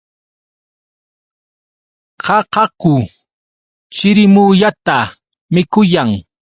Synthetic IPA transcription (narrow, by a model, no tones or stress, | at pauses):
qɑqɑkʊ | t͡ʃɪɾɪmuʎat̪a | mɪkʊjaŋ